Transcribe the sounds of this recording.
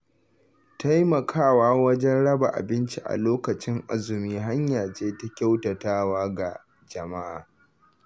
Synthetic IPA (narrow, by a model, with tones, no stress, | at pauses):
ta˦jmɐ˨kʰaː˦˨waː˦wɐ˦d͡ʒɛ˦nɽɐ˦ba˨ʔa̰˨bɪ˦nt͡ʃi˨ʔa̰˨loː˦kɐ˨t͡ʃɪ˦ŋʔa˦zʊ˨miː˦ɦa˦ɲjaː˨t͡ʃeː˦ta˦kʲa˦wtɐ˨taː˦waː˦ɡa˨ | d͡ʒɐ˨ma˦ʔa̰ː˨